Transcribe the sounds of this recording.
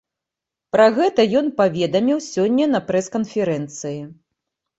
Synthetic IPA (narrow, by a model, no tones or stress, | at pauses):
pɾɐɣɛt̪ɐjɔnpavʲɛd̪ɐmʲiwsʲɔnʲːɐnɐpɾɛskɐnfʲɛɾɛnt̪sɨji